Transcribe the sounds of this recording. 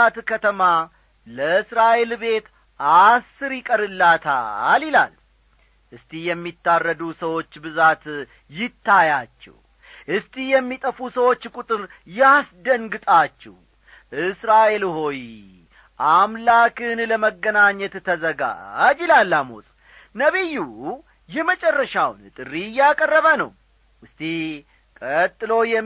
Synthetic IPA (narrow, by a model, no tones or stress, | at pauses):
at̪kʰət̪ʰəma | ləɨsɾaʔe̞lbe̞t̪ | ʔasːɨɾjɪkʼəɾɨlːat̪ʰa̰lila̰l | ʔɨst̪ʰijɛmːit̪ːarːəd̪usəwo̞t͡ʃːbɨzat̪ | jɪt̪ʰːajat͡ʃːɛ̰w | ʔɨst̪ʰihjɛmːit̪ʼəfusəwo̞t͡ʃːkʼut̪ʼɨɾ | jasd̪əŋɡɨt̪ʼat͡ʃːɛ̰h | ʔɨsɾaʔe̞lɦo̞j | ʔamlakɨnləməɡːənaɲːɛt̪ːʰəzəɡa̰d͡ʒɪlalːamo̰sʼ | nəβiju | jɛhmət͡ʃʼɛrːəʃawnt̪ʼɨrːijakʼərːəβənə̰w | ʔɨst̪ʰi | kʼət̪ʼːɨlo̞jɛ